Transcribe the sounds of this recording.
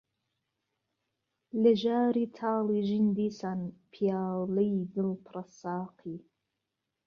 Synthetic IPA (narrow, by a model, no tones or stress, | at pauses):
lɛʒaːɾit̪ʰaːliʒind̪iːsanpʰijaːlijɡɨlpʰɾɑsɑːqʰi